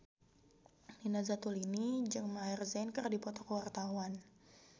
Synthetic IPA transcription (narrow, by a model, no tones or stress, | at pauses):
dinazat̪ulinid͡ʒəŋmairzɛnkərdipɔt̪ɔkəwart̪awan